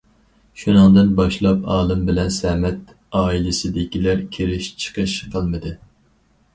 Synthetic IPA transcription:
ʃunɨŋd̪ɨnbɑʃlˠɑpɑːlˠɨmbɪlɛnsɛmɛt̪ | ɑːilɪsɪd̪ɪkʲilæɾkʲʰeɾɪʃt͡ʃʰə̥qʰəʃqʰəlˠmɨd̪ɨ

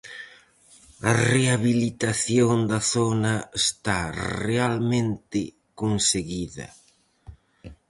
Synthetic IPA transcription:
ɐreaβilit̪aθjond̪ɐθonɐest̪arealmẽnt̪ɪ | konseɣiðɐ̰

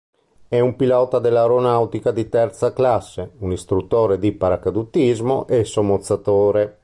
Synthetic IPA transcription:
ɛumpilɔːt̪ad̪elawɾonawt̪ikad̪it̪ɛɾt̪saklasːeunist̪ɾut̪ːoːɾed̪ipaɾakad̪ut̪ːizmoʔesomot̪sːat̪oːɾe

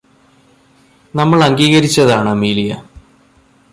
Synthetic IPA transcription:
nɐmːɐɭɐŋɡiːɣɐɾit͡ɕːɐðaːɳɨmiːlijɐ

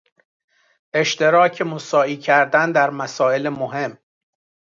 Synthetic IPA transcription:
ʔe̞ʃt̪e̞ɾɒːcʰemosɒːiːcʰæɾd̪ænd̪æɾmæsɒːe̞lemoɦe̞mː

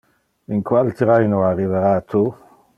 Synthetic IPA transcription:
iŋkwalt̪ɾajnoarːiveɾat̪ʰu

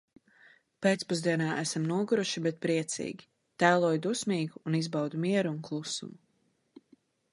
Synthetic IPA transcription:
peːt̪spuzd̪iɛnaːʔæsamnuɔɡuɾuʃibɛt̪̚pɾiɛt̪sḭːɡʲi | t̪æːlˠuɔjd̪usmiːɡuːnizbawd̪umiɛɾuuŋklˠusṵmu

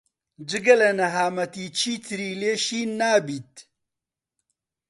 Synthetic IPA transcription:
d͡ʒɨɡɐlɐnɐɦaːmɐt̪iːt͡ʃʰiːt̪ʰɨɾiːleːʃiːnaːbiːt̪̚

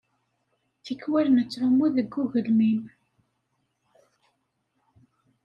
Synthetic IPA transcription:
θikwælnət͡sːɾʊmːuðəɡːuʝəlmim

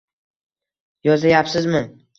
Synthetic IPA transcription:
jɒzajapsɪzmɪ

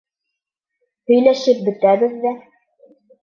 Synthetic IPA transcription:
hɵ̆jlæʃɘp̚bɘ̆t̪æβɘðːæ

